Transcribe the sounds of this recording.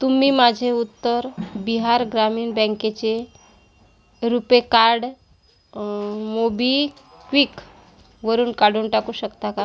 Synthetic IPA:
t̪umiːmad͡ʑʱeut̪ːəɾbiɦaɾɡɾamiːnbɛ̃ŋket͡ɕe | ɾupekaɾɽ | mobi | kʋik | ʋəɾuːnkaɽ̤uːnʈakuːɕəkt̪aka

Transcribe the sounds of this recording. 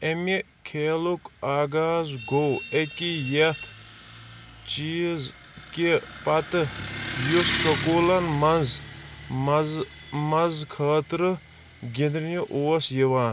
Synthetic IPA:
emi | kʰeːlukaːɡaːzɡowekijet̪ʰ | t͡ʃiːz | kipɐt̪ɨjussokoːlɐnmɐnz | mɐzkʰaːt̪ɾɨ | ɡʲind̪ɾnuʔoːsjiʋaːn

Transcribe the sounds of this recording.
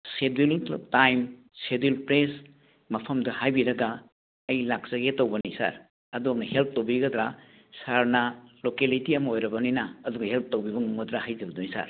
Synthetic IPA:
sediltajm | sedilpɾes | mɐpʰɐmdɐhajbiɾɐɡa | ɐjlak̚sɐɡetowbɐnisa̰ɾ | ɐdonɐhelp̚ʰtowbiɡɐdɾa | saɾnɐlokelitiɐmɐojɾɐbɐninaːduɡɐhelp̚ʰtowbibɐŋumɡɐdɾahajzɐbɐdunisa̰ɾ

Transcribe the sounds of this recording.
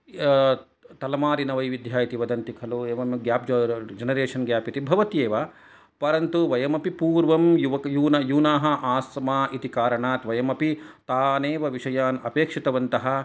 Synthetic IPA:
t̪ɐlɐmaːɾinɐʋɐjʋid̪ʱjaːit̪iʋɐd̪ɐnt̪ikʰɐlueːʋɐmɡjaːpd͡ʒɐd͡ʒɐnɐɾeːʂɐnɡjaːpit̪ibʱɐʋɐt̪jeːʋɐ | pɐɾɐnt̪uʋɐjɐmɐpipuːɾʋɐmjuʋɐjuːnɐjuːnaːɦɐʔaːsmaːʔit̪ikaːɾɐɳaːt̪ʋɐjɐmɐpit̪aːneːʋɐʋiʂɐjaːnɐpeːkʂit̪ɐʋɐnt̪ɐɦɐ̆

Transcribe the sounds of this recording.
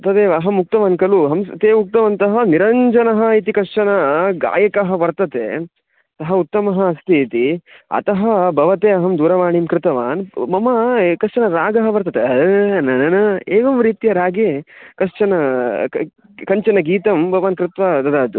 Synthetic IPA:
ɐt̪ɐd̪eːʋɐɦɐmːuk̚t̪ɐʋaːnkɐluɦɐmst̪eːuk̚t̪ɐʋɐːnt̪ɐɦɐniɾɐɲd͡ʒɐnɐɦɐ̆it̪ikɐʂt͡ʃɐnɐɡa̰ːjɐkɐɦɐ̆bɐɾt̪ɐt̪ḛ | ɐt̪ɐɦɐut̪ːɐmɐɦɐɐst̪ʰiːt̪iɐ̰t̪ɐɦɐbɐʋɐt̪eːɐɦɐmd̪uːɾɐʋaːɳimkɾɪt̪ɐʋaːnmɐmɐkɐʂt͡ʃɐnɐɾaːɡɐɦɐbɐɾt̪ɐt̪eɐd̪ɐnɐnɐnɐeːʋɐmɾiːt̪ijɐɾaːɡekɐʂt͡ʃɐnɐ | kɐɲt͡ʃɐnɐɡiːt̪ɐmbɐʋaːnkɾɪt̪ʋaːd̪ɐd̪aːt̪u

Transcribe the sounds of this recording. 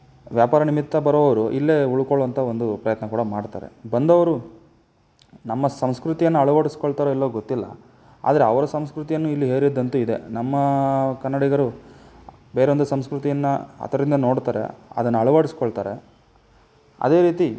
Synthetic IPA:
ʋjaːpaːɾɐnimit̪ːɐbɐɾɔʋɐʋɐɾuʔilːe̞uɭukoɭːʋɐnt̪ʰɐo̞nd̪upɾɐjɐt̪nɐkuːɽɐmaːɽt̪a̰ːɾe̞̰bɐnd̪ɐʋɐɾu | nɐmːɐsɐmskɾut̪ijɐnːuɐɭuʋaːɽisi̥koɭt̪aːɾilːoːɡot̪ːilːɐ̰ | a̰ːd̪ɐɾeɐʋɐɾɐsɐmskɾut̪ijɐnːuilːiɦeːɾid̪ːɐnt̪uid̪e̞̰nɐmːɐkɐnːɐɽiɡɐɾu | be̞ːɾeond̪usɐmskɾut̪ijɐnːɐɐ̰t̪ʰɐɾɐd̪ind̪ɐno̞ːɽt̪aːɾḛɐ̰d̪ɐnːuɐɭuʋaːɽisi̥koɭt̪aːɾḛ | ɐ̰d̪e̞ːɾiːt̪i

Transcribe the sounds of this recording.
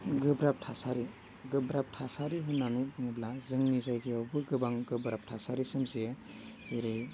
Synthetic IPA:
ɡɯbɾap̚tʰasaɾi | ɡɯbɾap̚tʰasaɾiɦɯnːanibɯŋɯblazɯŋnizajɡiawbɯɡɯbaŋɡɯbɾap̚tʰasaɾisɯmzije | z̥iɾij

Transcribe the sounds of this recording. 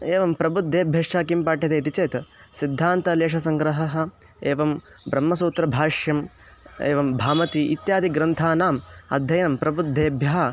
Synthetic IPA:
eːʋɐmpɾɐbud̪ʱːeːbʱjɐʂʈaːkimpaːʈjɐt̪eːt̪it͡ʃeːt̪ | sid̪ʱːaːnt̪ɐleːʂ̬ɐsɐŋɡɾɐɦɐɦɐ̆ | eːʋɐmbɾɐmːɐsuːt̪ɾɐbʱaːʂjɐm | eːʋɐmbʱaːmɐt̪iʔit̪jaːd̪ʱiɡɾɐnt̪ʰaːnaːmɐ̰d̪ʱjɐjɐnɐmpɾɐbud̪ʱːeːbʱjɐɦɐ

